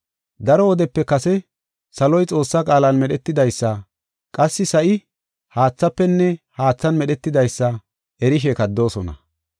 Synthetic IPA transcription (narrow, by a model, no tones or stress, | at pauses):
d̪ɐɾɔwɔd̪ɛpːɛkɐsɛ | sɐlɔjt͡sʼo̞ːsːɐkʼaːlɐnmɛɗɛt̪ːɪd̪ɐjsːɐ | kʼɐsːɪsɐʔɪ | haːt͡sːɐpːɛnːɛhaːt͡sːɐnmɛɗɛt̪ːɪd̪ɐjsːɐ | ʔɛɾɪʃ̬eːkɐd̪ːo̞ːsɔnɐ̰